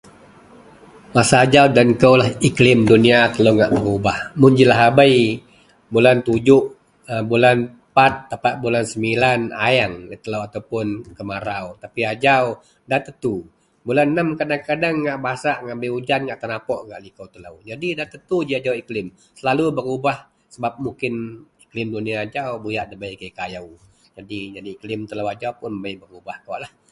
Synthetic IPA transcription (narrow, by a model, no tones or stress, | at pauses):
masaːd͡ʒawdankəwlahiklɪmduniat̪ələwŋaʔbəɾubahmʊnd͡ʒilaɦabəj | bulant̪ud͡ʒʊʔ | əbulan | pat̪̚ːapaʔbulansəmbilana̰jaŋlət̪ələwat̪awpʊnkəmaɾawt̪apiad͡ʒaw | daht̪ət̪u | bulanːəmkadaŋkadaŋːaʔbaasaʔŋabɪud͡ʒanŋaʔt̪ənapɔʔŋaʔlikawt̪ələwd͡ʒadidat̪ət̪ud͡ʒiad͡ʒawiklɪm | səlalubəŋubah | səbap̚mukɪniklɪmduniaːd͡ʒawbujaʔdəbaikəjkajaw | d͡ʒadid͡ʒadiːklɪmt̪əlawad͡ʒawpʊnəbəjbəŋubahkəwaʔlah